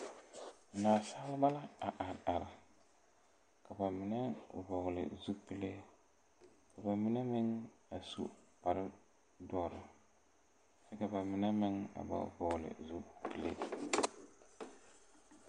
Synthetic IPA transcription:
naː˨sa˦lɪ˦ba˦la˦a˨ʔa˨ɾa˨ɾɪ˨ | ka˨ba˨mɪ˨nɛ˦vɔ˨ɣlɪ̰˨zu˦pi˦le˦ | ka˨ba˨mɪ˦nɛ˦mɪ˦ŋa˨sṵ˦˨ | pa˨ɾɪ˦ | dɔ˦ɾɪ˨ | sɛ˦ka˨ba˨mɪ˨nɛ˦mɪ˦ŋa̰˨ba̰˨vɔ˨ɣlɪ̰˨zu˦pi˨lḛ˦

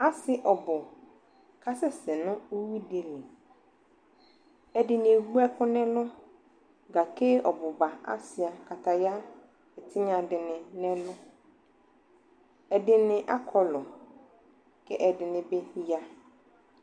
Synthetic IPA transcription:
a˦sɪ˦ʔɔ˨bʊ˨ | kʰa˦sɛ˦sɛ˨nʊ̃˦o˦wi˦de˨li˨ | ɛ˨dɪ˨nɪ̃˨wu˦ɛ˦kʰʊ̃˦nɛ̃˦lʊ̃˦ | ɡa˨kʰe˦ɔ˨bʊ˨ba˨a̰˦sɪ˨a˨kʰa˨tʰa˨ja˦ | ɛ˨tʰɪ˦ɲã˨dɪ˨nɪ̃˨nɛ̃˦lʊ̃˦ | ɛ˨dɪ˨nɪ̃˨ʔa̰˦kʰɔ˦lɔ˨ | kʰɛ˦ʔɛ˨dɪ˨nɪ̃˨be˦ja˦

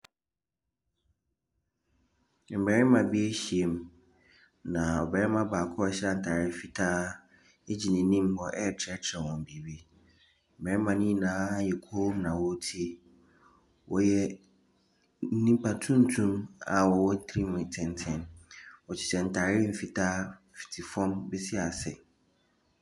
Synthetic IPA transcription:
m̩˨bɛ˨ɾɪ˦mã˨bi˦e˦ɕi˨e˨m | nã˨ɔ̰˨bɛ˨ɾɛ˦mã˦baː˨kʰɔ˦˨˦ɕɛ˦a˨n̩˨tʰaː˨ɾɪ˦fi˨tʰa˦ | e˦d͡ʑi˨nɪ̃˨˦nĩ˦m˦hɔ˨ʔɛ˦˨t͡ɕʰɛ˦t͡ɕʰɾɛ˨wɔ̃˨m̩˨bi˨bi˦ | m̩˨bɛ˨ɾɛ˦mã˨˦nĩ˦nãː˦jɛ˨kʰo˦mnã˨wɔ˦tʰi˦ | wʔɔ̰˦jɛ˦ | n̩˦nĩ˦m˦pʰa˨tʰũ˦n̩˦tʰũ˦ma˨wɔ˨wɔ˦n˦tʰɾi˦mɪ̃˨tʰɪ̃˨ntʰɪ̃˦˨nwɔ˨t͡ɕʰɪ̥˨t͡ɕɛ˨n̩˨tʰa˨ɾɪ˦m̩˨fi˨tʰaː˦ | fi̥˨tʰi˨fɔ̃˦mbɛ˦sɪ˦a˨sɛ̰˨

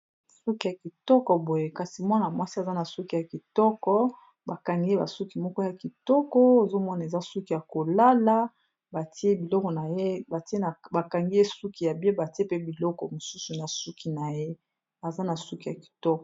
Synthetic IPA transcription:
su˦ki˨ja˨ki˨tɔ˦kɔ˨bo˨je˦ka˨si˨mwa˦na˨mwa˦si˦a˨za˦na˨su˦ki˨ja˨ki˨tɔ˦kɔ˦ | ba˨ka˨ŋɡe˦ba̰˨su˦ki˨mɔ˦kɔ˦ja˨ki˨tɔ˦kɔ˦e˨zo˦mɔ˦na˨e˨za˦su˦ki˨ja˨ko˨la˦la˦ | ba˨ti˦e˦bi˨lɔ˦kɔ˨na˨je˦ba˨ti˦e˦na˨ba˨ka˨ŋɡi˦e˦su˦ki˨ja˨bi˦e˦ba˨ti˦e˦pe˦bi˨lɔ˦kɔ˨mo˨su˦su˨na˨su˦ki˨na˨je˦ | a˨za˦na˨su˦ki˨ja˨ki̥˨tɔ˦kɔ˨

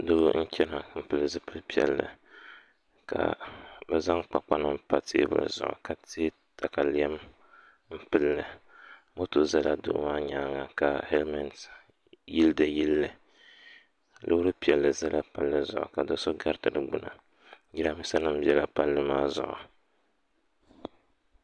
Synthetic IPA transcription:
dʊ˦n̩˦t͡ʃɛ˦na˨˦m̩˦pɨ˨lɨ˨zɨ˦pɨ˦lpi˦ɛ̰˨lːɨ̰˨ | ka̰˨bɛ˨za˦ŋk͡pa˨k͡pa˦nɨ˦pa˨tʰḛ˦bɨ̰˦˨zʊ̰˨ʔʊ̰˨ka˨te˦ | ta˨ka˨li˦ɛ˦m | m̩˦pɨ˦lːɨ˨ | mo˦to˨za˦la˦dʊ̰˦ʔmaː˦ɲaː˦ŋa˨ka˨he˦lma˨ns | ji˦ldɨ˨ji˦lːɨ˨ | lʔɨ˦ɾɨ˦pi˨ɛ˨lːɨ˨za˦la˦pa˦lːɨ˦zʊ˨ʔʊ̰˨ka˨do˨so˦ɡa˦ɾtɨ˨ɾɨ˨ɡ͡bʊ˦nɨ̰˨ | ji˦ɾa˨mɨ˦sa˦nɨ˦m˦bi˦ɛ˦la˨pa˦lːɨ˦maː˦zʊ̰˨ʔʊ̰˨

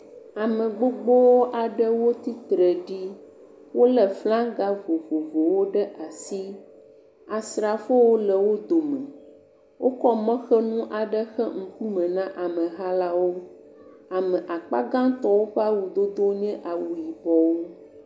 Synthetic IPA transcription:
a˨mɛ̃˨ɡ͡bo˦ɡ͡bɔ˦wo˦ʔa˨ɖɛ˦wo˦t̪i˦t̪ɾɛ˨ɖi˦ | wo˦lɛ˨flã˦ɡa˦vo˨vo˨vo˨wo˦ɖɛ˦ʔa˨si˦ | a˨sɾa˨fo˦wo˦lɛ˨wo˦d̪o˨mɛ̃˨ | wo˦kɔ˦mɔ̃˦xɛ˦nũ˦ʔa˨ɖɛ˦xɛ˦ŋ̩˦ku˦mɛ̃˨nã˦ʔa˨mɛ̃˨ɦa˦la˦wo˦ | a˨mɛ̃˨ʔa˨k͡pa̰˦ɡã˦t̪ɔ˦wo˦ɸa˦wu˨d̪o˦d̪o˦ɲɛ̃˦ʔa˨wu˨ji˨bɔ˦wo˦

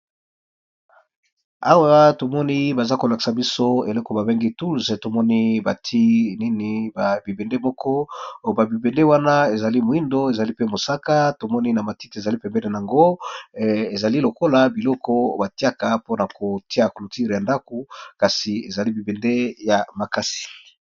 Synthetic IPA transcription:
a̰˦wa˦to˨mɔ˦ni˦ba˨za˦ko˨la˨ki̥˨sa˨bi˦so˦e˨lɔ˦kɔ˨ba˨be˦ŋɡi˦tu˦lzto˨mɔ˦ni˦ba˨tʰi˦ni˦ni˨ba˨bi˨be˨nde˦mɔ˦kɔ˦˨ba˨bi˨be˨nde˦wa˦na˦e˨za˨li˦mo˨i˦ndo˦e˨za˨li˦pe˦mo˨sa˦ka˦to˨mɔ˦ni˦na˨ma˨ti˦ti˨e˨za˨li˦pɛ˨mbɛ˦ne˨na˨a˨ŋɡo˦ | e˨za˨li˦lo˨ko˦la˨bi˨lɔ˦kɔ˦ba˨ti˦a˦ka˨po˦na˨ko˨ti˦a˨ko˨lu˨ti˦ʁja˨nda˦ko˨ka˨si˨e˨za˨li˦bi˨be˨nde˦ja˨ma˨ka˦si̥˨

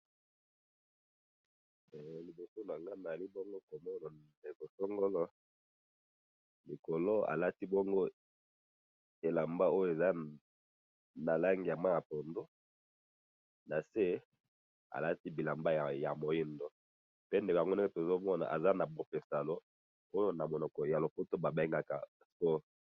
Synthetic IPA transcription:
ɛ˨li˨bo˨so˦na˨ŋɡa˦na˨li˦bo˦ŋɡo˦ko˨mɔ˦na˨de˨ko˨so˦ŋɡo˦lɔ˦ | li˨ko˨lo˦a̰˨la˦ti˦bɔ˦ŋɡo˦ | e˨la˨mba˦o˦jo˨e˨za˦ | na˨la˦ŋɡi˨ja˨mwa˦ja˨po˨ndo˦ | na˨se˦ | a̰˨la˦ti˦bi˨la˨mba˦˨ja̰˨mo˨ji˦ndo˦ | pe˦nde˨kŋɡo˦e˦e˦to˨zo˦mɔ˦na̰˨ʔa̰˨za˦na˨bo˨pe˨sa˨lo˦ | o˦jo˦na˨mo˨nɔ˨kɔ˨ja˨lo˨po˦to˦ba˨be˦ŋɡa˦ka̰˨spɔ˦

